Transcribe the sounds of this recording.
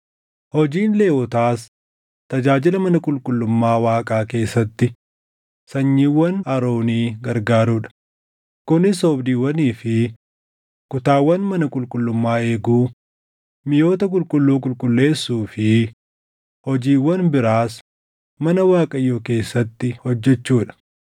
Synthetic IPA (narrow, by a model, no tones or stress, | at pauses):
hɔd͡ʒiːnleːwɔt̪aːs | t̪ɐd͡ʒaːd͡ʒɪlɐmɐnɐkʼʊlkʼʊlːʊmːaːwaːkʼaːke̞ːsːɐt̪ːɪ | sɐɲːiːwːɐnɐɾoːniːɡɐɾɡaːɾuːᶑɐ̥ | kʊnɪsoːbd̪iːwːɐniːfɪ | kʊt̪aːwːɐnmɐnɐkʼʊlkʼʊlːʊmːaːe̞ːɡuː | mɪjo̞ːt̪ɐkʼʊlkʼʊlːuːk̬ʼʊlkʼʊlːe̞ːsːuːfɪ | hɔd͡ʒiːwːɐnbɪɾaːs | mɐnɐwaːkʼɐɪjoːke̞ːsːɐt̪ːɪhɔd͡ʒːɛt͡ʃːuːᶑɐ̥